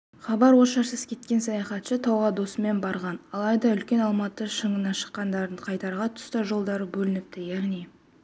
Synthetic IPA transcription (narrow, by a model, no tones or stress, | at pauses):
χɑbɑɾwo̞ʃɑɾsəskʲʰe̞t̪kʲe̞nsɑjɑχɑt̪ʃət̪ʰɑwʁɑd̪o̞səme̞nbɑɾʁɑnɑlˠɑjd̪ɑʏlkʲe̞nɑlˠmɑt̪əʃəɴənɑʃə̥qːɑnd̪ɑɾd̪əɴqʰɑjt̪ɑɾʁɑt̪ʰʊ̥st̪ɑʒo̞lˠd̪ɑɾəbɵlɪnɪp̚t̪ɪjæɾni